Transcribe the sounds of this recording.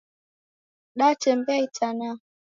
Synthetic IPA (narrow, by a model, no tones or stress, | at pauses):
ɗat͡ʃɛmbɛitana